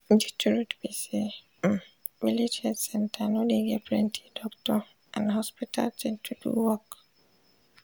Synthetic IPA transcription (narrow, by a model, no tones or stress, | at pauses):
d͡ʒitʰuɹutbisi | militʰɛɾisɛ̃ntʰanɔdeɡɛpɹɛntʰi̥dɔktɔ | ʔã̰nhɔspitʰa̰ltʰɛ̃ntʰudṵwɔk